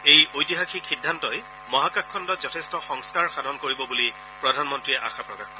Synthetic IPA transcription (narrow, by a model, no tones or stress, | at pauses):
ejojtiɦaxixidʱːantɔj | mɔɦakakʰːɔndɔtzɔtʰestɔxɔŋskaɹxadʱɔnkoɹibɔbuli | pɹɔdʱanmɔntɹiɛʔa̰xapɹɔkaxkɔ